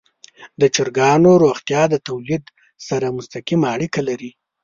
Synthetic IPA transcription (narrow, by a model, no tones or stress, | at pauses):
d̪ət͡ʃɪɾɡɑnoɾoxt̪jɑd̪ət̪awlid̪ | saɾamʊst̪aqimaːɽikalaɾi